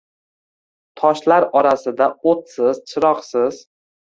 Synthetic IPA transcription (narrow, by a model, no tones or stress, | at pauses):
t̪ʰɒʃlaɾɒɾasɪd̪aot̪sɪz̥t͡ʃʰɪɾɒqsɪz̥